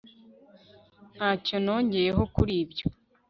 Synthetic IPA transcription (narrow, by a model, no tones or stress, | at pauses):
n̥haːco̞no̞ːɲɟe̞je̞ɦo̞kuɾiːbjo̞